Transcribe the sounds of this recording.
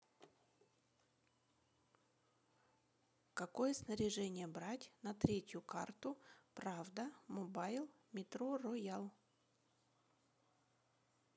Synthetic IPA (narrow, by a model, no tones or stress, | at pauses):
kɐko̞jəsnəɾʲɪʐɛnʲɪjəbɾatʲnɐt̪ɾʲetʲjʊka̰rt̪ʊpɾavd̪əmɔbajlˠ | mʲɪt̪ɾorojalˠ